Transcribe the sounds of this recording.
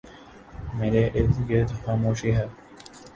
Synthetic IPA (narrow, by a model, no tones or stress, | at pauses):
meːɾeʔɪɾt̪ɡet̪xaːmoːʃiɦɛː